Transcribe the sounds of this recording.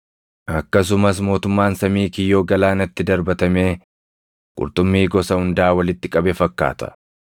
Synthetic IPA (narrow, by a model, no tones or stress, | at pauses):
ʔɐkːɐs̬ʊmɐs̬mo̞ːt̪ʊmːaːnsɐmiːkɪjːo̞ːɡɐlaːnɐt̪ːɪd̪ɐɾbɐt̪ɐmeː | kʼʊ̰ɾt̪ʼʊmːiːɡɔsɐhʊnd̪aːwɐlɪt̪ːɪkʼɐbɛfɐkːa̰ːt̪ɐ̥̰